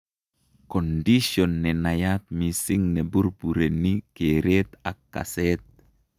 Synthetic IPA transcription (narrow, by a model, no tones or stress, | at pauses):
kɔndiʃɔnːɛnajat̪̚misiŋneburpuɾenikeɾet̪akːa̰sɛt̪̚